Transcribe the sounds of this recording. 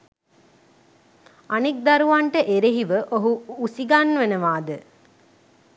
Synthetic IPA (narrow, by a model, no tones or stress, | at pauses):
anik̚d̪aɾuʋaɳʈəʔeɾeɦiʋəʔoɦuusiɡanʋenəʋaːd̪ə